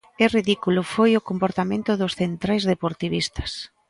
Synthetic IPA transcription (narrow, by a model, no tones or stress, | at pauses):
ɛriðikulʊfojʊkompoɾt̪amẽnt̪ʊðʊsθent̪ɾajzðepoɾt̪iβist̪ɐ̥s